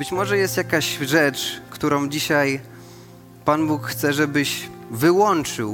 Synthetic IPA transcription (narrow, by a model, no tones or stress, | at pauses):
bɘt͡ɕmɔʐɛjɛst̪jakaɕʐɛt͡ʂkt̪uɾɔ̃w̃d͡ʑiɕaj | panbukxt̪sɛʐɛbɘɕvɘwɔnt͡ʂɘw